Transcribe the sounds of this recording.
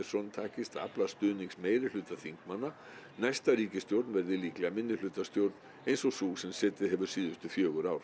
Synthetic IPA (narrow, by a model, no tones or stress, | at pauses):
sɔnt̪ʰaːcɪst̪a̰plast̪ʏːniŋksmeːjɾɪl̥ʏːt̪aθiŋkmanːa | najst̪aɾiːcɪst̪jowɾt̪nvɛɾðɪliːklɛɣamɪnːɪlʏːt̪ast̪jowɾt̪n | ejnsɔsuːsɛmsɛːt̪ɪðɦɛvʏ̥siːðʏst̪ʏfjœːɣʏɾawɾ̥